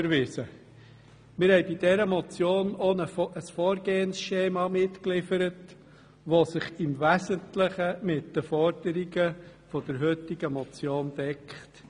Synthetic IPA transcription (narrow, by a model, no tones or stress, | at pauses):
əɾʋɪsə | mɪɾhɛɪbidɛɾəmɔt͡sjoːnonəʔəsfoːɾɡeːənsʃeːmɑmɪtklɪfəɾət | ʋosɪχɪmvæzəntləχəmɪtd̥əfɔɾd̥əɾiɡəfɔd̥əɾɦøtɪɡ̥əmɔt͡sjoːndɛkχt